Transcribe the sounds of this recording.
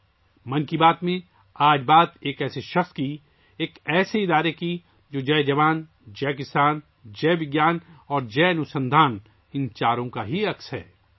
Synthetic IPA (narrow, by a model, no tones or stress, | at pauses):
mɐ̃nkibaːt̪mẽ | aːd͡ʒbaːt̪eːkɛːseʃɐxski | eːkɛːseɪd̪aːɾeki | d͡ʒoːd͡ʒɛːd͡ʒɐʋaːn | d͡ʒɛːkɪsaːn | d͡ʒɛːʋɪɡjaːnɔːɾd͡ʒɛːɐnʊsə̃nd̪ʱaːn | ɪ̃nt͡ʃaːɾõkaɦiɐksɦɛ̰ː